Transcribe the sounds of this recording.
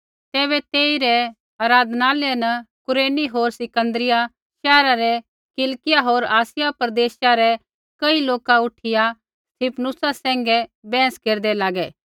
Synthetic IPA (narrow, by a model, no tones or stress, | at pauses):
t̪ɛːβɛt̪eːiɾɛ | aːɾaːd̪ʱnaːlɛnɐkʊɾeːniɦoːɾsɪkə̃nd̪əɾɪja | ʃɛːɾaɾɛ | kɪlkɪjaɦoːɾaːsɪjapɾɐd̪eːʃaɾɛ | kɐiloːkaʊʈʰɪja | st̪ʰipʰnʊsasɛ̃ːŋɡɛbɛ̃ːskeːɾd̪ɛlaːɡɛː